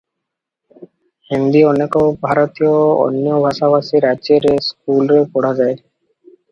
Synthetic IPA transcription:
hind̪iɔnekɔbʱaɾɔt̪ijoɔ̰njɔbʱaʃaβasiɾad͡ʒeɾesk̚ulɾepɔɽ̤ad͡ʒae

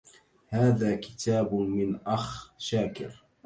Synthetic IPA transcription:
haːðaːkɪ̥t̪ʰaːbmɪnʔaxʃaːkɪ̰ɾ

